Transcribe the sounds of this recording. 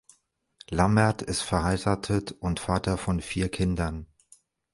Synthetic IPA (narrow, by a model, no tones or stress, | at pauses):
lamɛɐtʰɪstfɛɐhaɪʁaːtʰətʔʊntfaːtɐfɔnfiːɐkʰɪndɐn